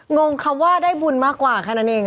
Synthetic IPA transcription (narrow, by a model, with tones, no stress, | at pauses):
ŋo˧ŋkʰa˧˥waː˥˩daː˥˩jbu˨˩nmaː˥˩kːwaː˨˩kʰaː˧˥˩na˦˥nʔeː˧ŋ